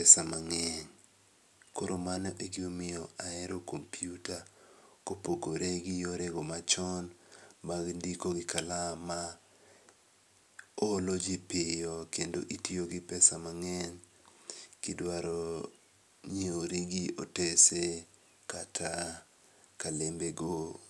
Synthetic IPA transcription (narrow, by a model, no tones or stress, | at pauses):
ɛsamaŋɛɲ | koɾʔomanɔʔeɡɪomɪɔaɛɾokompijutakopoɡoɾeɡɪjoɾeɡomat͡ʃɔnmaɡndikoɡɪkalama | olod͡ʒipɪjɔkendoʔitioɡɪpɛsamaŋɛn | kɪdwaɾɔ | ɲeoɾiɡiotese | katʰa | kalembeɡo